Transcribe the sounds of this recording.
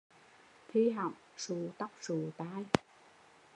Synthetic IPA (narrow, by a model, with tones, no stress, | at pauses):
t̪ʰi˧ɦa̰˨˩˨m | su˨˩˦t̪a˦˥k͡p̚su˨˩˦t̪aː˧j